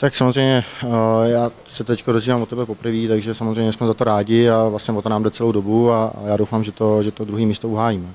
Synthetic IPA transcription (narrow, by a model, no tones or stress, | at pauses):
t̪aksamo̞zrɛjɲɛjaː | sɛt̪ɛckodozviːvaːmvot̪ɛbɛpo̞pr̩viːt̪aɡʒɛsamozrɛjmɲɛsmɛzat̪oɾaːɟɪavlasɲɛvoonaːmdɛt͡sɛlowdo̞bua̰jaːdowfaːmʒɛt̪o̞ʒɛt̪od̪ɾuɦiːmiːst̪ouɦaːjiːmɛ